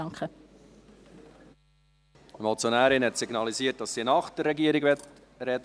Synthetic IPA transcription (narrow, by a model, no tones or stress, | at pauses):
ɑŋkχə | mɔlt͡sjonæːɾɪnhɛtsiɡnɑliziət̚d̥ɑsːinɑχd̥ərːɛɡiəɾiɡvɛt | ɾɛd